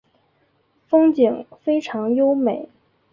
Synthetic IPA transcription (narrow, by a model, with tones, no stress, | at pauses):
fɤ˥ŋt͡ɕi˨˩˦ŋfe˥ɪʈ͡ʂʰɑ˧˥ŋjo˥ʊme˨˩˦ɪ